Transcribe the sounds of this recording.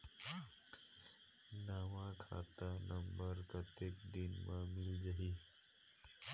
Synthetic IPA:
naʋãkʰa̰t̪anəmbəɾpɾət̪jeːkd̪inmãmɪld͡ʒaɦi

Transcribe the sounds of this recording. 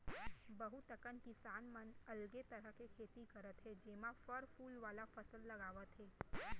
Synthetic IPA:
bəɦut̪əkənkisanmənəlɡet̪əɾəkekʰet̪ikəɾət̪ʰed͡ʒemãfəɾfulʋalafəsəlːəɡaʋat̪ʰe

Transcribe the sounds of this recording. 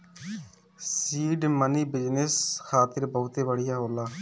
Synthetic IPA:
siːɖməniːbɪd͡ʒnɪsxʰaːt̪ɪɾbəːt̪eːʋəɽɪjaːɦoːlaː

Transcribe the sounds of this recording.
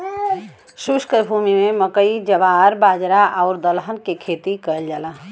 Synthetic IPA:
suskəbʱumimeməkəid͡ʒəʋaɾbaːd͡ʒɾaʔaʊɾd̪əlɦənkekʰet̪ikəld͡ʒalaɦ

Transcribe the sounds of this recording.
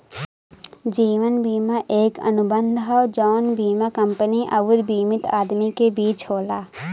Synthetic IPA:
d͡ʒiːʋənbʱiːmaʔeːkɐ̰nʊbə̃nd̪ʱɦɔːd͡ʒɔːnbʱiːmakə̃mpəniʔɐʋʊɾbiːmɪt̪aːd̪mikebiːt͡ʃɦoːlaː

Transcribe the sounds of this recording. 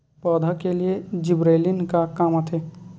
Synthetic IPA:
pɔːd̪ʱakelied͡ʒɪbɾeːlinkakaːmət̪ʰeː

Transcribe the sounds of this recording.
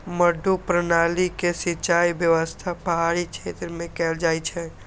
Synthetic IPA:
məɖʱupɾənalikesit͡ʃajbjəʋəst̪ʰapəɦaɽit͡ʃʰet̪ɾəmẽkɛːld͡ʒajt͡ʃʰɛ̃

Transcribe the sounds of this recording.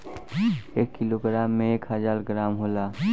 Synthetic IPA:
eːkːiloɡɾaːmːẽeːkɦəd͡ʒaːɾɡɾaːmɦoːlaː

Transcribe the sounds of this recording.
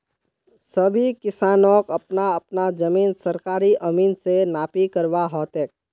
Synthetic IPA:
sɐbʱikɪsaːnõːkɐpnaɐpnad͡ʒɐmiːnsɐɾkaːɾiʔɐmiːnsenaːpikəɾʋaɦɔːt̪eːk̚

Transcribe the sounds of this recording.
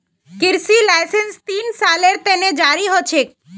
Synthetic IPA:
kɪɾsilajsenst̪insaleɾt̪ened͡ʒaɾiɦot͡ʃʰe

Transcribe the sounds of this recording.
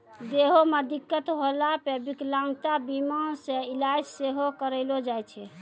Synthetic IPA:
d̪eɦomed̪ikːət̪ɦolapebiklãŋɡt̪abimansẽilajd͡ʒseɦokəɾəɪlod͡ʒajt͡ʃʰɛ

